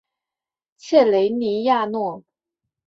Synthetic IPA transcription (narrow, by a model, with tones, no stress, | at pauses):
t͡ɕʰjɛ˥˩le˧˥ɪni˧˥ja˥˧nwɔ˥˩